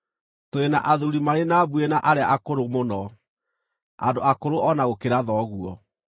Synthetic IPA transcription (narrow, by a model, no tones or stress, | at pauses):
toena̰ʔaðuɾimaɾenaːbuenaʔaɾeaʔakoɾomonɔ | a̰ndoakoɾoɔnaɣokeɾaðɔɣuɔ